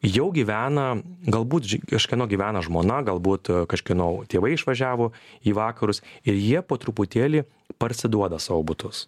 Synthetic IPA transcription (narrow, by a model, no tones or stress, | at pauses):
jɛʊɡʲiːʋʲæːnɐɡɐlˠbuːt̪ʲkɐʃʲkʲinoːɡʲiːʋʲæːnɐʒmoːnɐɡɐlˠbuːt̪kɐʃʲkʲɪnoːt̪ʲeːʋɐɪɪʃʋɐʒʲæːʋoːiːʋɑːkɐɾʊsɪɾjiɛpoːt̪ɾʊpʊt̪ʲeːlʲiː | pɐɾʲsʲɪd̪uɔd̪ɐsɑːʋoːbʊt̪ʊs